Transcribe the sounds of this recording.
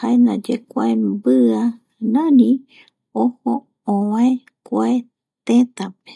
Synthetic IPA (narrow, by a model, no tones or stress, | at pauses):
haenãd͡ʒekʷaembɨa | nãnĩ | oho | õwãe | kʷae | t̪et̪ape̥